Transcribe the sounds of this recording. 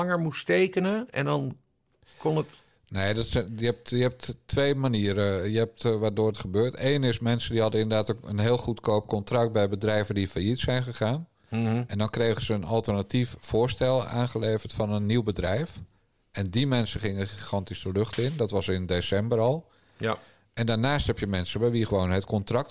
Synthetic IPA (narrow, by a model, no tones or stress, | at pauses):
ɑŋəɹmusteːkənəɛ̰ndɔn | konət | neːdɔtsɛjəɛp̚tjəɦɛp̚ttʋeːmaniəɾəjəɦɛp̚tʋadoːətχəbøːrteːnɪsmɛnsədiɦɑdəɪndərdaːtokə̰nɦeːlˠχutkʰoːp̚kɔntrɑk̚t̚bɛjbədrɛjvədifajitsɛjnχəχaːn | ʔɛndɔnkreːɣəzəənɔlˠtərnatiffʊːɹstɛlˠa̰ːnχəleːvərtfɔnənːiwbədrɛjf | ʔɛndimɛnsəχɪŋəχixɑntisəløχtɪndɔtʋɑsɪndesɛmbərɔlˠ | ʔɛndaːɹnaːsthɛpjəmɛnsəbɛjʋiχəʋoːnɦətkʰɔntrɑk̚t